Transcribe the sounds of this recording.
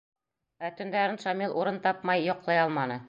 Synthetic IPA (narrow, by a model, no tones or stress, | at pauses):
æt̪ɵ̆nd̪æɾɤ̆nʃɑmilˠʔuɾɤnt̪ɑp̚mɑjːɒqlˠɑjɑlˠmɑnɤ